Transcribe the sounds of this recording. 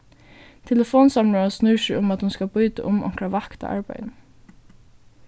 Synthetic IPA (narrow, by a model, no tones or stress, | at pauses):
t̪ʰɛləfoːnsamɹɔːasnʉːʃɪʊmat̪hʊnskabʊjt̪a̰ʔʊmɔ̰ŋ̥kɾaʋakt̪a̰ʔa̰ɹpa̰jn